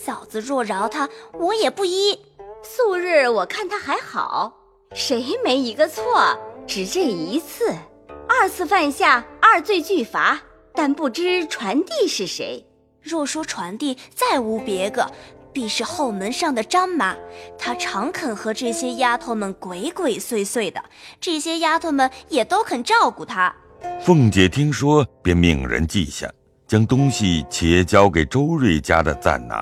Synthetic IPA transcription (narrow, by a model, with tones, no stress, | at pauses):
ɕjɑ˨˩ʊd͡zɹ̩˧ɻwɔ˥˩ɻɑ˧˥ʊt̪ʰa˥wɔ˧˥jɛ˨˩pu˥˩i˥su˥˧ɻ̩˥˩wɔ˨˩kʰa˥˩nt̪ʰa˥xa˧˥ɪxɑ̰˨˩˦ʊ | ʂe˧˥ɪme˧˥ɪi˧˥ɡə˧t͡sʰwɔ˥˩ʈ͡ʂɻ̩˨˩ʈ͡ʂə˥˩i˧˥t͡s̩ʰ˥˩ | ɐ˞˥˧t͡sʰɹ̩˥˧fa˥˧nɕja˥˩ɐ˞˥˧t͡swe˥˧ɪt͡ɕy˥˩fa˧˥ | t̪a˥˧npu˥˩ʈ͡ʂɻ̩˥ʈ͡ʂʰwa˧˥nt̪i˥˧ʂɻ̩˥˩ʂḛ˧˥ɪ | ɻwɔ˥˩ʂwɔ˥ʈ͡ʂʰwa˧˥nt̪i˥˧t͡sa˥˩ɪu˧˥pjɛ˧˥ɡə̰˧pi˥˧ʂɻ̩˥˧xo˥˩ʊmə˧˥nʂɑ˥˩ŋd̪ə˩ʈ͡ʂɑ˥ŋma˧˥t̪ʰa˥ʈ͡ʂʰɑ˧˥ŋkʰə˨˩nxɤ˧˥ʈ͡ʂɤ˥˩ɕjɛ˥ja˥t̪ʰo˧˥ʊmə˨nkwe˧˥ɪkwe˨˩ɪswe˥˧ɪswe˥˩ɪd̪ə̰˩ʈ͡ʂɤ˥˩ɕjɛ˥ja˥t̪ʰo˥˩mə˨˩njɛ˨˩t̪o˥ʊkʰə˨˩nʈ͡ʂɑ˥˩ʊku˨˩t̪ʰa˥ | fɤ˥˩ŋt͡ɕjɛ˨˥t̪ʰi˥ŋʂwɔ˥pjɛ˥˧nmḭ˨˩ŋɻə̰˧˥nt͡ɕḭ˥˧ɕja̰˥˩ŋ | t͡ɕjɑ˥ŋt̪ʊ˥ŋɕi˨t͡ɕʰjɛ˧˥t͡ɕjɑ˥ʊke˨˩ɪʈ͡ʂo˥ʊɻwe˥˩ɪt͡ɕja̰˥d̪ə˨t͡sa̰˥˩nna̰˧˦